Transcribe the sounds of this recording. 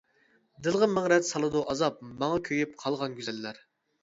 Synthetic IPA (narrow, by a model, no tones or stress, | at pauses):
d̪ɨlˠʁənmæŋɾɛt̪sɑlˠɨd̪uʔɑzɑp̚mɑŋɑkʲʰøjyp̚qʰɑlˠʁɑnɡʲyzɛlːæɾ